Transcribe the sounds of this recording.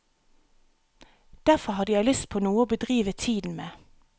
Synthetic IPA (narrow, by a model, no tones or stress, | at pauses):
d̪̥æfɔhɑd̪əjæɪlʏst̪̚pʰoːnuːəoːbəd̪ʁiːʋət̪ʰiːd̪n̩meː